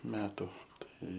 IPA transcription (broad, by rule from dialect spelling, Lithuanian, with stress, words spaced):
ˈmʲæːtʊ ˈtɐɪ